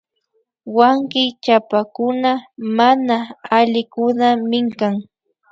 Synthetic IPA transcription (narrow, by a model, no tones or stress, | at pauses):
waŋkɪt͡ʃapakʊnamanaːʎɪkʊnamɪŋkaŋ